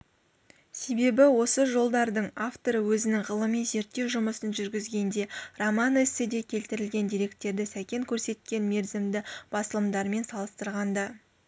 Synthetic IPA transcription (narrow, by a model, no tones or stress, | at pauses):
se̞be̞bɪwo̞səʒo̞lˠd̪ɑɾd̪əɴaft̪oɾəwɵzɪnɪŋʁəlˠəminze̞ɾt̪ːe̞wʒʊməsənʒʏɾɡʲɪzɡʲe̞nd̪e̞romɑnɪsɪd̪e̞kʲʰe̞lt̪ɪɾɪlɡʲe̞nd̪ijɾe̞k̚t̪ːe̞ɾd̪ɪsækʲe̞ŋkʲʰɵɾse̞t̪̚kʲe̞nme̞ɾzɪmd̪ɪb̥ɑsəlˠəmd̪ɑɾme̞nsɑlˠəst̪əɾʁɑnd̪ɑ